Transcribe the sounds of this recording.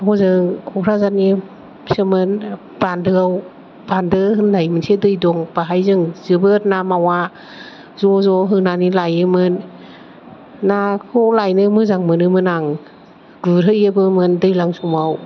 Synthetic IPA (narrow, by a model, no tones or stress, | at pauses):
ɦɔzɯŋkʰɔɾazani | sɯmɯn | b̥andɯaw | b̥andɯɦɯnlajmɯnsedɯjdɔŋb̥aɦajzɯŋzɯbɯtnamawa | zɔzɔɦɯnanilajɯmɯn | akʰɔlajnɯmɯzaŋmɯnɯmɯnaŋ | ɡɯɾɯjɯbɯmɯndɯjlaŋsumaw